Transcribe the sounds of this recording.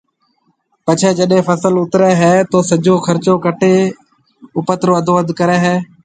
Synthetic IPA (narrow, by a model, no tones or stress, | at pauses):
pət͡ʃʰɛːd͡ʒəɗɦẽːpʰəsəlʊt̪ɾɛːɦɛːt̪oːsəd͡ʒʱoːkʰəɾt͡ʃoːkəʈʰeː | ʊpət̪ɾoːəd̪oːəd̪kəɾɛːɦɛː